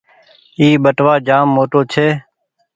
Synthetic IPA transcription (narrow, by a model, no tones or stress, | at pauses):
iːbəʈʋaːd͡ʒaːmːoːʈoːt͡ʃʰeː